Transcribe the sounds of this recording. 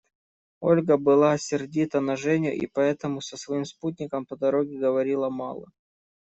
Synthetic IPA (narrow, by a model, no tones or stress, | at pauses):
o̞lʲɡəbɨlˠaɐsʲɪrdʲit̪ənɐʐɛnʲʊ̰ʔḭpɐɛt̪əmʊsəsvɐimsput̪̬̚ʲnʲɪkəmpəd̪ɐɾo̞ɡʲɪɡəvɐɾʲilˠəmɑ̰lˠə̰